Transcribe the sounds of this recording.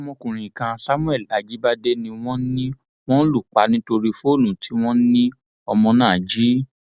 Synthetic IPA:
mɔ̃˧kũ˨ɾ̃ĩ˨i˨kã˧sa˦mũ˦ɛ˦˨la˨d͡ʒi˨˦ba˦de˦nĩ˧w̃ɔ̃˦nĩ˦ | w̃ɔ̃˦lu˦˨k͡pa˧˦nĩ˦to˧ɾi˧fo˦˨nũ˨tʰi˨˦w̃ɔ̃˦nĩ˦ | ɔ˧mɔ̃˧nãː˦˨d͡ʒi˨˦

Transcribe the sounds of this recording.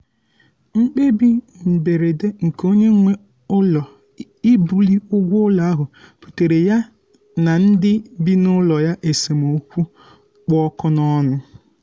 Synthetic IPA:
ŋ͡m̩˦k͡pe˦bi˦mm̩˨be˨ɾe˨de˦ŋ̩˨ko˦ɲe˦ŋʷe˦ | ʊ˦lɔ˨ | i˦bu˨li˦ʊ˦ɡʷʊ˦ʊ˦lɔ˨a˦ɦʊ˨pu̥˨te˨ɾe˨ja˦ | na˨n̩˦dɪ˦bi˦nʊ˦lɔ˨ja˦ʔe˨se˨mo˨˦kʷu˦ | k͡pɔ˦kɔ˦nɔ˦nʊ˦

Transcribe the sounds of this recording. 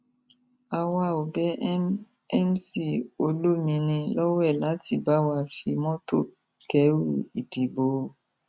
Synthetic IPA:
a˨wa˧˨o˨bɛ˦ | ɛ˦m˦si˦˨o˧lo˦mĩ˧nĩ˧lɔ˦wɛ˦˨la˨˦ti˦˧˨ba˦wa˧˨fi˧mɔ̃˦to˦˨ | kɛ˨˦ɾṵ˦˨i˨di˨bo˨˧

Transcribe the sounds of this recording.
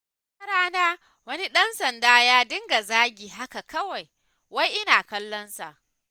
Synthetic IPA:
kɐ˦ɾaː˦naː˦ | wɐ˦ni˦ɗɐ˦nsɐ˨ndaː˦jaː˦dɪ˦ŋɡa˨zaː˦ɡʲiː˨ɦa˦ka˨kɐ˦wa˨j | wa˦jʔɪ˦naː˨kɐ˦lːɔ˦nsa̰˨ʔ

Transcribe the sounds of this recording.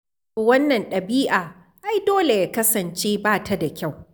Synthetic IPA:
toː˨wɐ˦nːɐ˨nɗɐ˨biː˦ʔaː˨ | ʔa˦jdoː˦le˨jaː˦kɐ˦sɐ˨nt͡ʃeː˦baː˦˨tʰa˦da˨kʲa˦˨w

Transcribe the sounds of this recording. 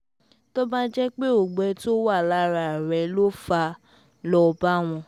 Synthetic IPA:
tɔ˦bã˦d͡ʒɛ˦k͡pe˦o˨ɡ͡bɛ˨˦to˦wa˦˨la˦ɾa˨ɾɛ˨˦lo˦fa˧ | lɔ˧ba˦˨w̃ɔ̃˧

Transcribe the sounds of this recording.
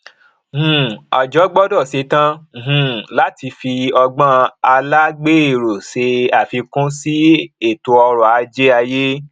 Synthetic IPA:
hũ˨ɔ̰˨d͡ʒɔ˨˦ɡ͡bɔ˦dɔ˦˨se˧tã˦˨ɦũ˨la˨˦ti˧fi˧ɔ˧ɡ͡bã˦a˧la˦ɡ͡be˦e˦˨ɾo˨se˧a˨fi˧kũ˦si˦e˦˨to˧ɔ˧ɾɔ˨a˨˦d͡ʒe˦a˧je˦

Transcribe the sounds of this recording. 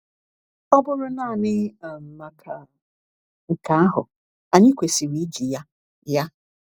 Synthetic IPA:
ɔ˦bʊ˦ɾʊ˦na˦˨nɪ˦˨m̩˨ma˨kʰa˨ | ŋ̩˨ka˨a˦ɦʊ̰˨ | a˨ɲɪ˦kʷe˨si˨wi˦d͡ʒi˨ja˦ | ja˦

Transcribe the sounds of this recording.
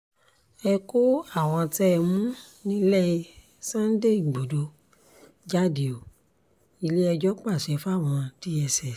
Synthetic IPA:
ɛ˧ko˦a˦˨w̃ɔ̃˧tɛ˦˧mũ˦ | nĩ˦lɛ˦˨i˧ | sã˦n˦de˦˨i˨ɡ͡bo˨do˧ | d͡ʒa˦di˨o˨ | i˧le˦ɛ˧d͡ʒɔ˦k͡pa˦˨ʃɛ˨˧fu˦a˦˨w̃ɔ̃˧ti˦ɛ˧sɛ˦˨

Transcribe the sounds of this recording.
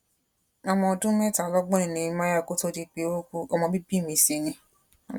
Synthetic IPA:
a˨˧mɔ̃˧dũ˦mɛ˦˨ta˨lɔ˦ɡ͡bɔ˦i˨nĩ˨˧mã˦ja˦˨ko˦to˦di˧k͡pe˧˦o˦ku˧˦ɔ˧mɔ̃˧bi˦bi˦˨mĩ˧˦si˧˦nĩ˧

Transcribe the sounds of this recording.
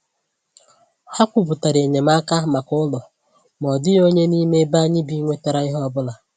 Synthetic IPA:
ha˦kʷʊ˨bʊ˨ta˨ɾe˨ɲe˨m˦a˦ka˦ma˨kʊ˦lɔ˨ | m˨ɔ˨dɪ˦o˦ɲe˦ni˦me˦ba˦ɲɪ˦bi˦ŋʷe˦ta˦ɾa˦ɪ˦ɦɔ˦ɔ˦bʊ˦la˨

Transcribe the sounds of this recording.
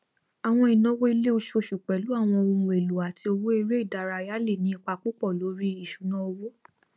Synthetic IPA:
a˨w̃ɔ̃˧i˨nɔ̃˨˦wo˦i˧le˦o˧ʃo˧ʃu˨k͡pɛ˨lu˨˦a˦˨w̃ɔ̃˧o˧mũ˧˨e˨lu˨a˨ti˧o˧wo˦i˧ɾe˦i˦˨da˨ɾa˧ja˦le˦˨nĩ˦i˧k͡pa˧k͡pu˦k͡pɔ˦˨lo˨˦ɾi˦i˨ʃu˨˦nã˦o˧wo˦

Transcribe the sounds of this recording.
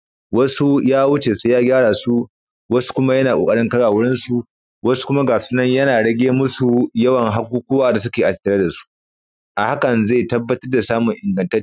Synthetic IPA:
wɐ˦su˦jaː˦wʊ˦t͡ʃeː˨su˦jaː˦ɡʲaː˦ɽaː˨su˦ | wɐ˦su̥˦kʷʊ˦ma˦jɐ˦naː˨kʷoː˨kʼɐ˦ɽɪ˦ŋkɐ˦ɽaː˨wʊ˦ɽɪ˦nsu˨ | wɐ˦su̥˦kʷʊ˦ma˦ɡaː˨ɸu˦nɐ˦ɲjɐ˦naː˨ɽɐ˦ɡʲeː˦mʊ˦su˨jɐ˦wɐ˨ŋɦa˦kʷuː˦kʷuː˦waː˨da˨sʊ˦kʲeː˨ʔa˨˦tːɐ˨ɽa˦da˨su̥˦ | ʔa˨ha˦kɐ˨nza˦˨jtɐ˦bːɐ˦tɐ˦rda˨saː˦mʊ˨ŋʔɪ˨ŋɡɐ˨ntɐ˦

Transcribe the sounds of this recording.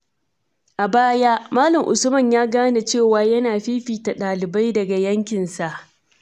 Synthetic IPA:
ʔa˨baː˦ja˦maː˦lɐ˨ŋʔʊ̰˨sʊ˦mɐ˨ɲjaː˦ɡaː˦na˨t͡ʃeː˦˨waː˨jɐ˦naː˨ɸiː˦ɸiː˨ta˨ɗaː˨lɪ˨ba˦jdɐ˨ɡa˨jɐ˦ŋkʲɪ˨nsa˨ʔ

